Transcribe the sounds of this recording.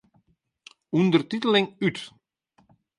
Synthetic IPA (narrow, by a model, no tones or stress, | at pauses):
undərtitəlɪŋyt